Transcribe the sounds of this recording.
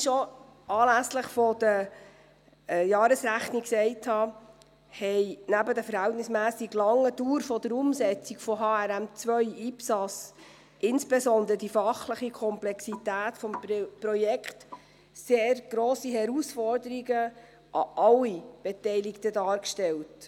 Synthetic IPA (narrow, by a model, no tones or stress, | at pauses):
ʃo | ɑːlæsləχfɔd̥ə | jɑːɾəsɾæχniksɛɪthɑ | hɛɪnæbədəfəɾhɛltnɪsmæːsiɡlɑŋːəduːɾfɔd̥əɾʊmsɛt͡siɡfɔɦɑːæɾæmt͡sʋœʏiːpsɑs | ʔɪnsb̥esɔnd̪əɾəd̥ifɑχləχikʰɔmplɛksitæːtfɔmpɾɔjɛkχt | seːɾɡ̥ɾoːsiɦɛɾusfɔɾdəɾiɡə | ʔɑ̰ʔɑlːib̥ɛtɛɪliktədɑːɾkʃtɛlt